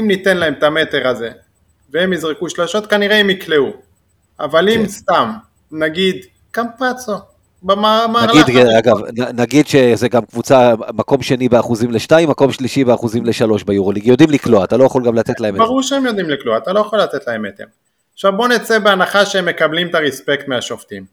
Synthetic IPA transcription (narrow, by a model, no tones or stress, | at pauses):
imnit̪enlaemt̪ame̞t̪e̞ʁaze̞ | veemizʁekuʃlaʃo̞t̪kaniʁeemikleu | avalimst̪am | naɡid̪ | kampat͡so | bamamaaʁldaɡavnanaɡid̪ʃezeɡamkvut͡samako̞mʃe̞nibeaχuzimleʃnaimːako̞mʃliʃibeaχuzimleʃalo̞ʃbajuʁoliɡjo̞d̪imlikloat̪alojaχo̞lɡamlatetlaembaʁuʁʃeemjo̞d̪imlikloaat̪alo̞jaχo̞lːat̪et̪lahemet̪em | aχʃavbo̞net͡sebeanaχaʃeemːe̞kablimt̪aʁespekt̪meaʃoft̪im